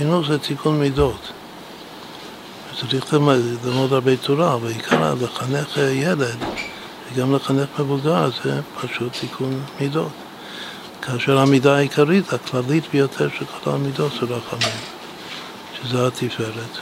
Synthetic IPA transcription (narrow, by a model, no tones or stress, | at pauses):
inuzɛtikʰunmidot̪ | vet͡saɾiχlamlamodhaɾbet͡suɾavalikʰaɾa̰leχaneχjeled̪ | veɡamleχaneχmevuɡalzɛpʰaʃutːikʰunmidot | kʰaːʃeɾhamidaːikʰaɾitaklalit̪bejotʰeɾʃekʰo̞la̰midotzeɾaχamim | ʃezeat̪ʰifeɾet̪